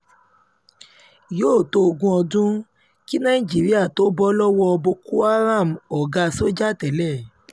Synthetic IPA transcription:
joː˦˨to˧o˧ɡũ˧ɔ˧dũ˦ | ki˦nã˦ĩ˨d͡ʒi˨˦ɾi˦a˦˨to˦bɔ˦lɔ˦wɔ˦ɔ˧bo˧ku˦a˦ɾa˦˨m˨ɔ˨ɡa˧so˦d͡ʒa˦˨tɛ˨˦lɛ˦˨

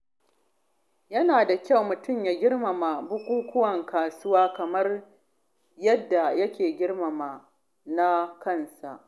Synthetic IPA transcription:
jɐ˦naː˨da˨kʲa˦wmʊ˨tʊ˦˨mjaː˨ɡʲɪ˦rma˨ma˨bʊ˦kʷuː˦kʷʰʊ˦wɐ˨ŋkaː˨sʊ˦waː˦kɐ˨mɐ˦r | jɐ˦dːa˨jɐ˦kʲeː˨ɡʲɪ˦rmɐ˨ma˨ | na˦kɐ˦˨nsa˨ʔ

